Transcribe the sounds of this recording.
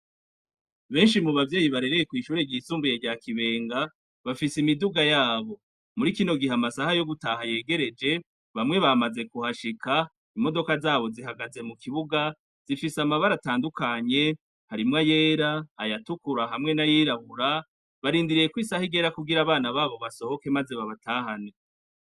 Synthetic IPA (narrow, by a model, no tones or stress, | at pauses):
βe̞ːnʃimuβavje̞ːjiβaɾe̞ɾejekwiːʃuːɾe̞ɟisuːmbuje̞ɟaːkiβe̞ːŋɡa | βafisimiduɡajaːβo̞ | muɾikino̞ɡiɦamasahajo̞ɡutahaje̞ːɡe̞ɾe̞d͡ʒe̞ | βamŋe̞βamaze̞kuhaʃikʰa | imo̞do̞kazaːβo̞ziɦaɡaze̞mukʰiβuɡa | z̥ifisamaβaɾataːndukaɲe̞ | haɾimŋaje̞ːɾaːjatukuɾaɦamŋe̞najiːɾaβuɾa | βaɾiːndiɾije̞kwiːsahiɡe̞ɾakuɡiɾaβaːnaβaːβo̞βaso̞ho̞ke̞maze̞βaβatʰaːɦane